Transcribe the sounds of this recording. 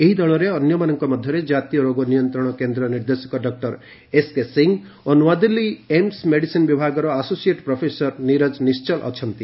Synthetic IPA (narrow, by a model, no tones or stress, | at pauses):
eɦid̪ɔɭɔɾeɔnjɔmanɔŋkɔmɔd̪ʱjɔɾed͡ʒat̪ijɔɾoɡɔnijɔnt̪ɾɔɽ̃ɔkend̪ɾɔniɾd̪esɔ̥kɔɖɔk̚ʈɔɾ | eskesiŋ | onwad̪ilːiemsmeɽisinbibʱaɡɔɾɔasosieʈpɾɔpʰesɔɾniɾɔd͡ʒnist͡ʃɔlʔɔ̰t͡ʃʰɔnt̪i